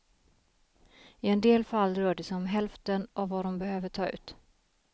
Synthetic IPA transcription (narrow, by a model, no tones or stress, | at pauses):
ɪɛnd̪eːlfalːɾœːɖəsɛɔmɦɛlft̪ənʔɔvːad̪ɔmbɛhøːvəʈʰɑːʉ̟ːt̪